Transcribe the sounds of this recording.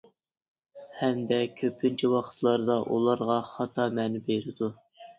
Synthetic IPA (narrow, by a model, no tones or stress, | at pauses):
hɛmd̪ɛkʲʰøp̚ʰːynt͡ʃʰɛwɑqʰə̥t̪ʰlˠɑɾd̪ɑʔṵlˠɑɾʁɑχɑt̪ʰɑmɛnɪbeɾɪd̪u